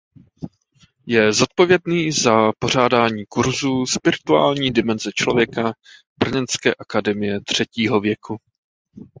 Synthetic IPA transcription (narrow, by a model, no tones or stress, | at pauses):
jɛzot̪̚po̞vjɛdniːzapo̞r̝aːdaːɲiːkuɾzuːspɪɾɪt̪ua̰ːlɲiːdɪmɛnzɛt͡ʃlo̞vjɛka | b̥r̩ɲɛnskɛ̰ːʔakadɛmɪjɛt̪r̝̥ɛciːɦo̞vjɛkʰu